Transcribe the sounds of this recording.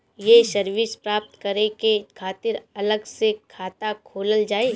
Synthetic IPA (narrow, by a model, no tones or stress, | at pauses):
jesɐɾʋɪspɾaːp̚t̪kɐɾekekʰaːt̪ɪɾɐləɡsekʰaːt̪akʰoːləld͡ʒaːe